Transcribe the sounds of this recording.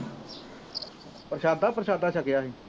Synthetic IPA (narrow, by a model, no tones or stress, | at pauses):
pɾəʃaːd̪aːpəɾəʃaːd̪aːʃəkɪjaːɦiː